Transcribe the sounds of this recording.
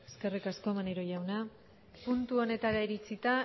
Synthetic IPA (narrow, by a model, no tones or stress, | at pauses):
eske̞rikasko̞maneɾoʝawna | punt̪uo̞ne̞t̪aɾaiɾit͡sit̪a